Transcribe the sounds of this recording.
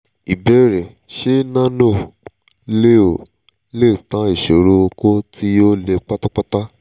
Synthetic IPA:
i˨bɛ˦ɾɛ˨ | ʃe˦nã˦no˦˨ | le˦o˨ | le˦˨tã˨˦i˨ʃe˨ɾo˧˦o˧ko˦ti˦jo˦le˧k͡pa˦ta˦k͡pa˦ta˦

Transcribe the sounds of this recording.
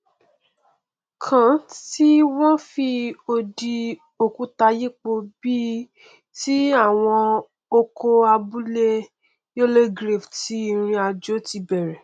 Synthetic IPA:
kʰã˨˦ti˦w̃ɔ̃˦fi˧o˧di˧ | o˨kũ˨˦ta˧je˦k͡po˧bi˦ | ti˦a˦˨w̃ɔ̃˧ | o˧kʰo˧a˧bu˦le˦ | jo˦le˦ɡɾe˦˨fti˨˦i˦˨ɾ̃ĩ˧a˧d͡ʒo˦ti˧bɛ˨ɾɛ˨

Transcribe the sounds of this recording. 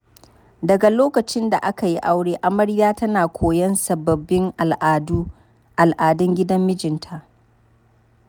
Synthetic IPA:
dɐ˨ɡa˨loː˦kɐ˨t͡ʃɪ˦nda˨ʔa˦ka˨ji˦ʔa˦wɽeː˦ʔa˦mɐ˦ɽjaː˦tɐ˦naː˨kʷʰoː˨jɐ˦nsɐ˨bɐ˨bːɪ˦ŋ˨ʔdu˦ | ʔa˨lʔaː˨dɐ˦ŋɡʲɪ˦dɐ˦mːɪ˦d͡ʒɪ˨ntʰa˨ʔ

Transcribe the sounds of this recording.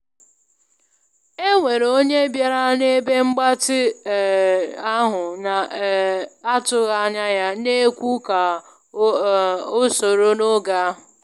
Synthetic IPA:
e˦ŋʷe˨ɾo˦ɲe˦bja˦ɾa˦ne˦be˦ŋ͡m̩˦ɡ͡ba˦tɪ˦˨ | a˦ɦʊ˨na˨ | a˦tʊ˦ɣa˦ɲa˦ja˦ne˦kʷu˦ka˨ | o˦so˨ɾo˦no˦ɡa˨a˦ɦʊ˨

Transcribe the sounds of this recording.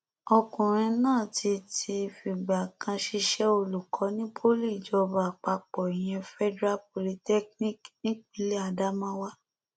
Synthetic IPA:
ɔ˧kũ˨ɾ̃ĩ˧nãː˦˨tʰi˧tʰi˧fi˨ɡ͡ba˨kʰã˧ʃi˧ʃɛ˦o˧˨lu˨kʰɔ˨˦nĩ˦pʰo˦li˦˨d͡ʒɔ˧ba˨k͡pa˧k͡pɔ˨i˨j̃ɛ̃˧fɛ˦dɾa˦p̚o˧li˧tɛ˦knĩ˦knĩ˦kk͡pĩ˧˦le˦a˧˨da˦mã˦wa˦

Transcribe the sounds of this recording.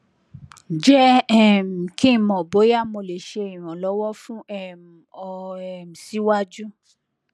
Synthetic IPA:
d͡ʒɛ˦ɛ˦m̩˨kĩ˦˧mɔ̃˨bo˨˦ja˦˨mo˧˨le˨ʃe˧˨ĩ˨ɾ̃ɔ̃˨lɔ˨˦wɔ˦fũ˦ɛ˦m˨ɔ˧ɛ˦˨m̩˨si˨˦wa˦d͡ʒu˦

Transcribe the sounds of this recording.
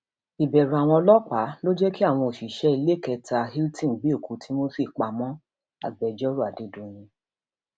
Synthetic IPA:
i˨bɛ˨ɾa˨w̃ɔ̃˧ɔ˧lɔ˦k͡pa˨˦lo˦d͡ʒɛ˦ki˦a˦˨w̃ɔ̃˧o˨ʃi˨ʃɛ˦i˧le˦kɛ˧tʰa˧ɦi˦ltĩ˦˨bi˦o˦˨ku˨˦tʰi˦mo˦si˦˨k͡pa˧mɔ̃˦ | a̰˨ɡ͡bɛ˨d͡ʒɔ˦ɾu˦˨a˨de˨do˨˧jĩ˧

